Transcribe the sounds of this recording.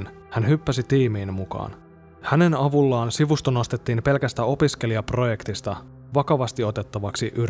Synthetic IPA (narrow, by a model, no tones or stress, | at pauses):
n | hænɦypːæsit̪iːmiːnmukɑ̰ːn | hæne̞nɑʋulːɑːnsiʋust̪ono̞st̪e̞t̪ːiːmpe̞lkæst̪æo̞pisk̟e̞liɑpro̞je̞kt̪ist̪ɑ | ʋɑkɑʋɑst̪io̞t̪e̞t̪ːɑʋɑksiʔyɾ